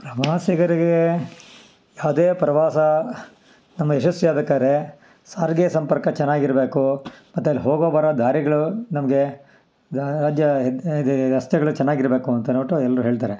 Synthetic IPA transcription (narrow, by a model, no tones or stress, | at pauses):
pɾɐmaːsiɡɐɾiɡe | jaːwd̪eːpɾɐʋaːsɐ | nɐmːɐeʃɐsjijaːd̪ɐkːaːɾe | saːɾɡejɐsɐmpɐɾkɐt͡ʃɛnːaːɡiɾɐbeːkumɐt̪ːuɐlːiɦoːɡoːbaːɾɐd̪ʱaːɾiɡɐɭunɐmɐɡe̞ | ɾaːd͡ʒjɐd̪ɐst̪jɐɡɐɭut͡ʃɛnːaːɡiɾɐbeːkuɐnt̪ɐnoːʈɐɛlːɐɾuɦe̞ːɭt̪aːɾe